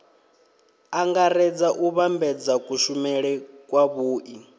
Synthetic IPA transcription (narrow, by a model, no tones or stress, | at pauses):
aŋɡaɾɛd͡zaʔuβambɛd͡zakʼuʃumɛɺɛkʼwaβuːʔi